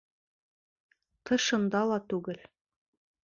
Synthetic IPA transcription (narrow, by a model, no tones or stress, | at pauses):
t̪ɤ̆ʃɤ̆nd̪ɑlˠɑt̪ʉɡɘl